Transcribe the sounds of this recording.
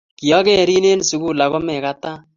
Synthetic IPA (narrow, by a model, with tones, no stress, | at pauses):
ki˨jɔ˦kɛ˦˨ɾi˦ne˦n˨su˨ku˦˨la˨kɔ˦mɛ˨ka˦ta˦